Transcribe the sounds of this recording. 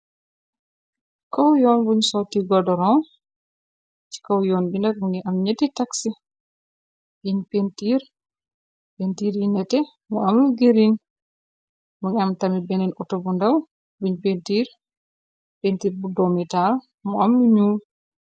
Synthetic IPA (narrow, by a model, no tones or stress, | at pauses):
kawjɔnbuɲsɔtiɡɔdɔɾɔn | t͡ʃi̥kawjɔnbindak̚muŋɛʔamɲetːitaksi | biɲpentiɾ | pentiɾjinɛtɛ | mɔamluɡeɾin | muŋɛamtamibɛnɛnʔɔtɔbundaw | buɲpentiɾ | pentiɾbudɔmɛtaɾ | mɔamluɲuːl